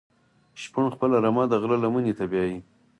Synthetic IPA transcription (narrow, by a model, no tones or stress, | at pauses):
ʃpəɳxpəlaɾamɑd̪aɣlalamənit̪abjɑji